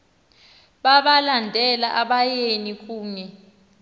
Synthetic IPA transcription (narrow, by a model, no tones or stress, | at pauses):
ɓaɓalandʱɛlaʔaɓajenikʼuːɲɛ